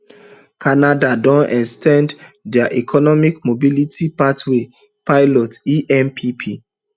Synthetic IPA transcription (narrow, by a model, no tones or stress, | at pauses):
kʰanadadɔ̃nɛkstɛ̃nddɛaʔikʰɔnɔmikmobilitipatwe | paɪlɔtiʔɛ̃npʰipʰi